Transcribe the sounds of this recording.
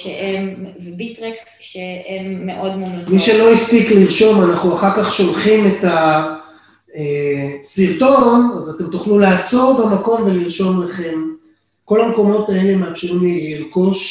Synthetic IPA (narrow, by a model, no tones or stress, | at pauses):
ʃeʔemvbitʁeks | ʃeemːeʔodmodomiʃe̞lo̞ispikliʁʃo̞manaχnuaχaʁkaχʃo̞lχime̞ta | esiʁto̞nazate̞mt̪uχlulaːt͡so̞ʁbemako̞mveliʁʃo̞mlaχe̞m | ko̞lamko̞mo̞tae̞le̞meamʃiʁimlleilko̞ʃ